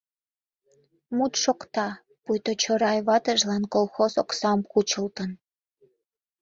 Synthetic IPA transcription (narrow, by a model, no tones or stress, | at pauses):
mut̪ʃokt̪ɑ | pujt̪ot͡ɕoɾɑjβɑt̪əʒlɑnkolxozoksɑmkut͡ɕəlt̪ən